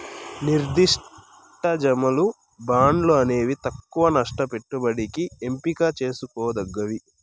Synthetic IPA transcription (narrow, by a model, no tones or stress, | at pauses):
niɾd̪iʂ | ʈɐd͡ʒɐmɐlu | baːɳɖluɐne̞ːʋit̪ɐkːuʋɐnɐʂʈɐpe̞ʈːubɐɽikie̞mpikaːt͡ʃe̞ːsukɔːɐd̪ɐɡːɐʋi